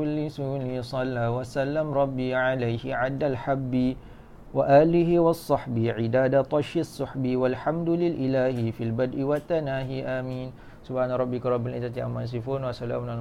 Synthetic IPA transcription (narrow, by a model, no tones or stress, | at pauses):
ʊlːisunisˤɑlːawasalːamɾˤɑbːiʕalajhɪʕad̪ːalħabːi | waʔaːlɪɦiwasˤːɑħbiʕidaːdat̪ˤɑʃɪsˤːʊħbiwalħamd̪lɪlʔilaːhifilbad̪ʔiwat̪ːanaːɦiʔamiːn | subhaːnaɾˤɑbːɪkɾˤɑbːɪlizat̪iʔamːas̬ifʊnwasala̰ːmna